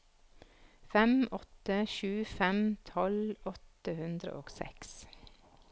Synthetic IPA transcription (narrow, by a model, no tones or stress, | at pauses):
fɛmɔt̪əʃʉːfɛmt̪ʰɔlɔt̪əhʉnd̪ɾə̰ʔoːɡ̥sɛ̰ks